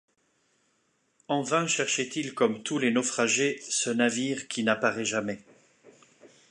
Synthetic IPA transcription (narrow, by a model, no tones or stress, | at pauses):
ɑ̃vɛ̃ʃɛʁʃɛt̪ilkɔmt̪ulenɔfχaʒesənaviːʁkʲinapaʁɛʒamɛ